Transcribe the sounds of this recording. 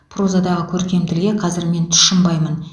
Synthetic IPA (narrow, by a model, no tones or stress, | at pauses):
pʰro̞zad̪ɑʁəkʲʰɵɾkʲe̞mt̪ɪlɡʲe̞qʰɑzɪɾme̞nt̪ʰʏ̥ʃɪmbɑjmən